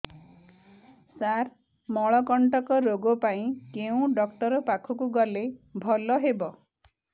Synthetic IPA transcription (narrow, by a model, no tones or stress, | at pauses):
saɾ | mɔɭɔkɔɳʈɔkɔɾoɡɔpaĩkeũɖɔkʈɔɾɔpakʰɔkuɡɔlebʱɔlɔɦebɔ